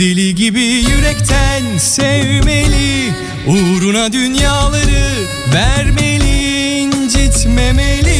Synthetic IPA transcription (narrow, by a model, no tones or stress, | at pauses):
elʲiɟibijyɾɛct̪ʰænsɛvmelʲi | uɾunad̪ynjaːlˠaɾɯ | væɾmelʲind͡ʒit̪memelʲi